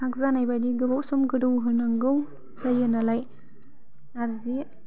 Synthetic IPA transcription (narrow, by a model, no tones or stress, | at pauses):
sak̚zanajbadiɡɯbawsɔmɡɯdɯwɦɯnaŋɡɯw | sajɯnalaj | naɾzi